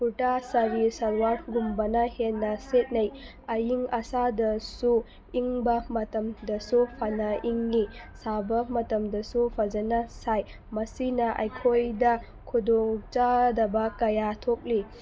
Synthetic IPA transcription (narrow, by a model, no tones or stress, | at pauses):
puʈasɐɾisɐɾwaɾɡumbɐnɐhenːɐset̚nɐj | ɐjiŋɐsadɐsu | iŋbɐmɐtɐmdɐsupʰɐnɐiŋlisabɐmɐtɐmdɐsupʰɐd͡ʒɐnɐsaj | mɐsinɐʔɐ̰jkʰojdɐ | kʰudoŋt͡ʃadɐbɐkɐjatʰok̚li